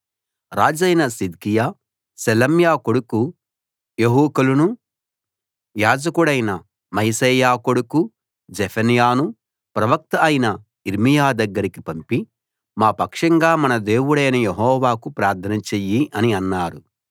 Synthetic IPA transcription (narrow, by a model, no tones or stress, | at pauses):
ɾaːd͡ʒɐjnɐsid̪̚kijaː | sɐlɐmjaːkoɽuku | jeɦuːkɐlunu | jaːd͡ʒɐkuɽɐjnɐ | mɐjsɐːjaːkoɽuku | d͡ʒɛpʰɐnijaːnu | pɾɐʋɐk̚t̪ɐːjnɐ | iɾmijaːd̪ɐɡːɐɾikipɐmpi | maːpɐkʂɐŋɡaːmɐnɐd̪e̞ːwuɽɐjnɐjeɦɔːʋaːkupɾaːɾt̪ʰɐnɐt͡ʃejiʔɐniɐnːaːɾu